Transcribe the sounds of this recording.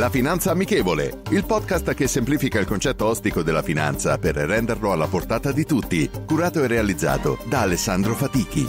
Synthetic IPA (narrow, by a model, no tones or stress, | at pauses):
lafinant̪saːmːikeːvolḛilpɔd̪̚kast̪k̟esːempliːfikailkont͡ʃɛt̪ːoɔst̪ikod̪elːafina̰nt̪sa̰perːɛnd̪erloalːaport̪aːt̪ad̪it̪ut̪ːikuɾaːt̪oerːealid̪zːa̰ːt̪o̰d̪aːlesːand̪ɾofat̪iːk̟ḭ